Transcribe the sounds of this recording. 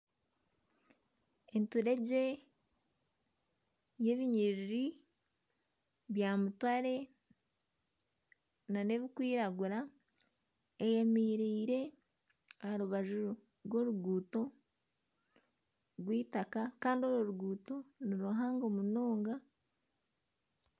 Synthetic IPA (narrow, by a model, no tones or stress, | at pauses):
entuɾe̞ɟe̞ | je̞βiɲiɾiɾi | βjamutwaɾe̞ | nane̞βikwiːɾaɡuɾa | ejemiːɾiːɾe̞ | aɾuβaʒu | ɾwo̞ɾuɡuːto̞ | ɾwiːtakakaːndio̞ɾuɾuɡuːto̞niɾoɦaːŋɡo̞munoːŋɡa